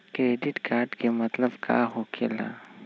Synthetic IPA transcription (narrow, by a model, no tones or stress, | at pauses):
kɾeːɖɪʈkaːɾɖkemɐt̪ləbkʰa̰ɦokʰḛla̰ː